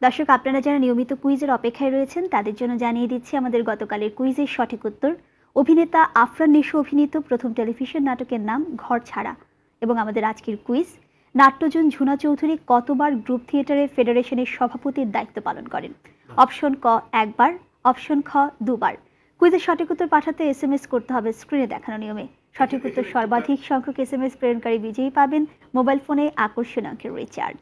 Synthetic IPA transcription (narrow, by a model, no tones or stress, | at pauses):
d̪ɔʃokapnaɾad͡ʑaɾaniomit̪okuid͡ʑeɾɔpekʰːaeɾoet͡ɕʰent̪ad̪eɾd͡ʑonːod͡ʑanied̪it̪ːt͡ɕʰiamad̪eɾɡɔt̪okaleɾkuid͡ʑeɾʃɔʈʰikut̪ːoɾ | obʱinet̪aʔafɾanːiʃoobʱinit̪opɾot̪ʰomʈelibʱiʃonːaʈokeɾnamɡʱɔɾt͡ɕʰaɾa̰ | eboŋamad̪eɾad͡ʑkeɾkuiz | naʈːod͡ʑond͡ʑʱunat͡ɕowd̪ʱuɾikɔt̪obaɾɡɾup̚t̪ʰieʈaɾeɾfeɖeɾeʃoneɾʃɔbʱapot̪iɾd̪ait̪ːopalo̰nkɔ̰ɾḛn | ɔpʃonkɔɛk̚baɾ | ɔpʃonkʰɔd̪uba̰ɾ | kuizeɾʃɔʈʰikot̪ːoɾpaʈʰat̪eesemeskoɾt̪eɦɔbeskɾined̪ɛ̰kʰanoniome | ʃɔʈʰikot̪ːoʃɔɾbad̪ʱikʃɔŋkʰokesemespɾeɾonkaɾibid͡ʑeipaben | mobajlfoneʔakoʃonɔ̰ŋkʰeɾɾḭt͡ɕa̰ɾɖ